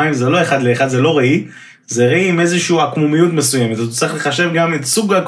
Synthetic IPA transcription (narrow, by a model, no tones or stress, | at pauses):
aimzelo̞e̞χad̪leːχad̪ze̞lo̞ʁei | zeʁeiime̞zeʃuːakmumijutmesujemetatot͡sʁiχle̞χaʃe̞vɡametsuɡhak